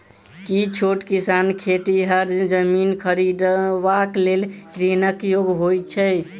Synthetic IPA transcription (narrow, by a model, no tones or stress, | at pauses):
kit͡ʃʰoʈkisankʰeʈiɦəɾd͡ʒəminkʰəɾid̪ʋaklelɾinəkjoɡɦoj̪̚t͡ʃʰɛ